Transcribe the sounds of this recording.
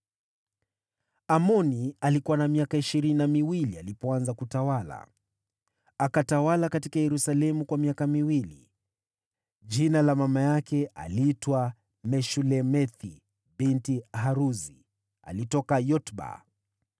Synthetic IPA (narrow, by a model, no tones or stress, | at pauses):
amɔnialikuwanamiakaiʃiɾininamiwilialipɔanzakutawala̰ | akatawalakatikajɛɾusalɛmukwamiakamiwilḭ | d͡ʒinalamamajakɛa̰litwa | mɛʃulɛmɛθi | bintiɦaɾuzi | a̰litɔkajɔtba̰